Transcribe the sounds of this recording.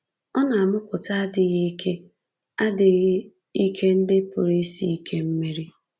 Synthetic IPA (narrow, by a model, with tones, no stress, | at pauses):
ɔ˦na˨a˨mʊ˦kʷʊ˨ta˦a˦dɪ˨˦ɣe˦i˦kʰe˦ | a˦dɪ˨ɣɪ˦ | i˦kʰe˦n̩˦dɪ˦pʊ̰˨ɾi˦si˦i˦kʰe˦m̩˦me˦ɾi˦